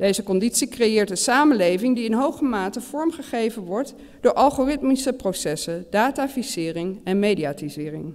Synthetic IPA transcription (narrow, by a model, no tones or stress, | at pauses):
d̥ejzəkɔnditsikrejɪːɹt̚dəsaːmənlejvɪŋdiɪnɦowχəmaːtəv̥ɔɹmχəχejvənʋɔɹt | d̥ʊːɹʔɑlˠχorɪtmisəprowsɛsədaːtafisɪːrɪŋɛnmejdiaːtizɪːrɪ̰ŋ